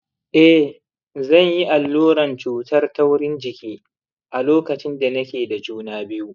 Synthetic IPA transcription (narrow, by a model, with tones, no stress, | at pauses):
ʔɛ˦ | zɐ˦˨ɲji˦ʔa˨lːoː˦ɾɐ˨nt͡ʃuː˨tɐ˦rtɐ˦wɽɪ˦nd͡ʒɪ˨kʲiː˦ | ʔa˨loː˦kɐ˨t͡ʃɪ˦nda˨nɐ˦kʲeː˨da˨d͡ʒuː˦naː˦bɪ˦ju˦